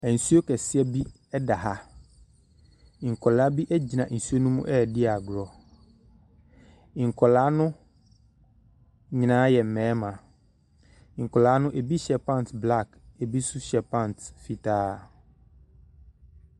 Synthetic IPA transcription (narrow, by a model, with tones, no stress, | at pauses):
æ˨n̩˨su˦o˦kɛ˨sɪ˦ɛ˦bi˦ | ɛ˦da˨ɦa˨ | ŋ̩˨kʰɔ˨la˨˦bi˦ʔæ˦d͡ʑi˨nã˨n̩˨su˦o˦nũ˦mũ˦ʔɛ˦˨dɪ˦a˨ɡɾɔ˨ | ŋ̩˨kʰɔ˨laː˦nʊ̃˦ | ɲɪ̃˨nãː˨˦jɛ˨m̩˨mɛ̃ː˨˦mã˨ | ŋ̩˨kʰɔ˨laː˨˦nʊ̃˦ʔe˨bi˦ɕɛ˨pã˦˨n˨tbla˦˨k | e˨bi˦sʊ˦ɕɛ˨pʰã˦n˨tfi˨tʰaː˦